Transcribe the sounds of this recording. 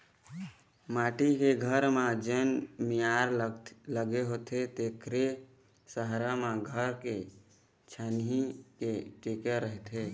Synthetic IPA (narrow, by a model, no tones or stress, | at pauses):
maːʈikeɡʱəɾmãd͡ʒənmijaɾləɡeɦot̪ʰet̪ekʰɾe | səɦɾamãɡʱəɾke | t͡ʃʰanɦikeʈekeɾəɦt̪ʰe